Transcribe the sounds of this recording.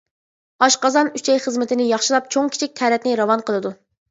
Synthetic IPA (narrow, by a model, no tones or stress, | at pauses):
ɑʃqɑzɑnyt͡ʃʰɛjχəzmɪt̪ʰɪnɪjɑχʃɨlˠɑp̚t͡ʃʰoŋkʲʰi̥t͡ʃʰik̚ʲt̪ʰɛɾɛt̪nɪɾɑwɑnqəlˠɨd̪u